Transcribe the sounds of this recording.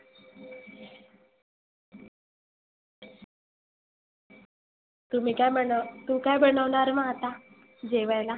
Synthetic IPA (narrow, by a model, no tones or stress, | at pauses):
t̪um̤iːkajt̪ukajbəɳəʋɳaɾmat̪a | d͡ʑeʋajla